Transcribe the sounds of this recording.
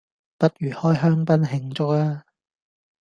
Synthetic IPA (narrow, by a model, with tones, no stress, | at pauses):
pɐ˥t̚jyː˨˩hɔː˥jɦœː˥ŋpɐ˥nɦɪ˧ŋt͡sʊ˥k̚aː˥